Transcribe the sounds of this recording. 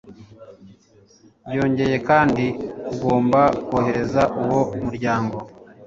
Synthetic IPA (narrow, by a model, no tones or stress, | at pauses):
bɟo̞ːɲɟe̞je̞kaːndikuɡo̞ːmbakuohe̞ɾe̞zaʔuwo̞muɾɟaːŋɡo̞